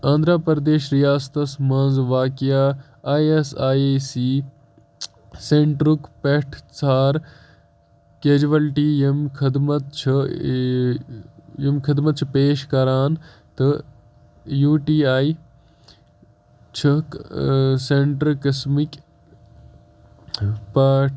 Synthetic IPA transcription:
ãːnd̪ɾaːpɐɾɐd̪eːʃɾijaːst̪ɐsmɐ̃ːnzʋaːkijaː | aːjesaːesiː | seɳʈɾukpeʈʰt͡saːɾ | keːd͡ʒʋɐlʈiːjɐmkʰɐd̪mɐt̪̚t͡ʃʰɐ | jɐmkʰɐd̪mɐt̪̚t͡ʃʰipeːʃkɐɾaːn | t̪ɨ | juːʈiːaːi | t͡ʃʰɐkseɳʈɾɾkɐsmik | paːʈʰ

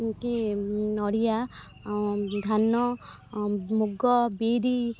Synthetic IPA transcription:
kenɔɽija | d̪ʱanːɔ | muɡɔbeɾi

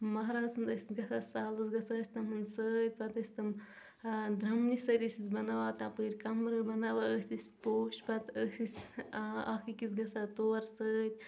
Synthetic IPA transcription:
mɐɦɾaːsɨnd̪əsʲit̪ɡɐsasaːlɨsɡɐsaəsʲt̪ɐmɨnsət̪̚ʲpɐt̪ɐsʲt̪ɐm | d̪ɾɐmnisɐt̪isʲisbɐnɐwaːt̪apɨɾkɐmɾɨbɐnɐʋaəsʲisʲpoːʃpɐt̪əsisʲ | akikisɡɐsat̪oɐɾsəːt̪̚ʲ

